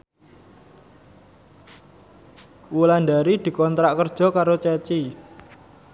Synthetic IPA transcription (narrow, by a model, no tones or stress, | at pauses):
wuland̪aɾid̪̥i̤kɔnt̪ɾaʔkərd̥ʒ̥ɔ̤kaɾot͡ʃɛt͡ʃi